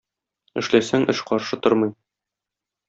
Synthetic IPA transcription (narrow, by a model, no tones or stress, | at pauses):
ɘ̆ʃlæsæŋʔɘʃqɒɾʃɤt̪oɾmɤ̆j